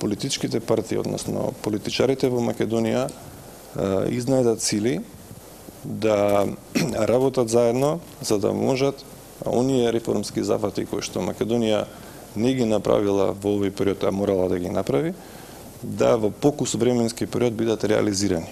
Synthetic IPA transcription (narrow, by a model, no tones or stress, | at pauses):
polit̪it͡ʃkit̪ɛpaɾt̪iːo̰d̪nɔ̰snɔ̰polit̪it͡ʃaɾit̪ɛvɔmakʲɛd̪onija | iznajd̪at̪t̪sili | d̪a | ɾabɔt̪at̪zaɛd̪nɔ | zad̪a̰mɔ̰ʒat̪ | o̰niɛɾɛfɔ̰ɾmskiza̰fat̪iko̰jʃt̪ɔmakʲɛd̪onija | nɛɡinapɾa̰vilˠa̰vɔovɔjpɛɾiɔt̪a̰mɔɾalˠad̪aɡinapɾavi | d̪avopokusvɾɛmɛnskipɛɾiɔd̪̚bid̪at̪ɾɛa̰liziɾani